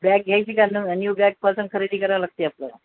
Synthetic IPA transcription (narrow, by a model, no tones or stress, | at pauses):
bak̚ɡʱjajt͡ɕiːkanunjuːbjak̚pəsənkʰəɾiɽiːkəɾʋaləɡ̚t̪iːap̚lə̰